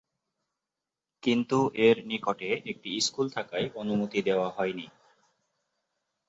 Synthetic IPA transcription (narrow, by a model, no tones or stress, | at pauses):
kint̪ueɾnikoʈeek̚ʈiiskult̪ʰakaeonumut̪id̪eoaɦɔeni